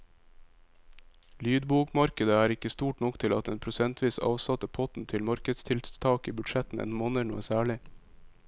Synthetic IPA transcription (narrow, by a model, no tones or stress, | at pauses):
lyːd̪buːkmɑɾkəd̪əæːɾɪkəst̪uːʈnɔkt̪ʰɪlɑ̰t̪eːnpʰɾʊsɛnt̪ʰʋiːsɑ̰ːʋsɑt̪əpʰɔt̪n̩t̪ʰɪlmɑɾkəd̪st̪ʰɪlt̪ʰɑːkiːbʉdʃɛt̪n̩ʔḛːnmoːnənuːəsæːɭɪ